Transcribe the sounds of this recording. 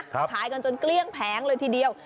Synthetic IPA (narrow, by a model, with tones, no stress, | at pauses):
fʰaː˨˩˦jkɔ˨˧˩nt͡ɕə˨˧˩nkli˧ənpʰɛː˨˦ŋzoː˨˩jt̪ʰi˧˩ɗi˨˩ə˩w